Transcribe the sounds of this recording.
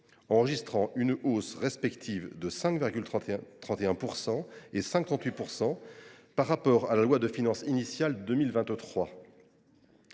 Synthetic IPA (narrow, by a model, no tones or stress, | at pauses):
ɑ̃ʁəʒist̪χɑ̃ʔynosʁɛspɛkt̪ʰivd̪əsɛ̃kviʁɡʲylt̪t̪χɑ̃t̪eɛ̃puʁsɑ̃esɛ̃kɑ̃t̪ɥipuʁsɑ̃paʁːapɔʁalalwad̪əfinɑ̃sinisjald̪ømilvɛ̃t̪t̪χwa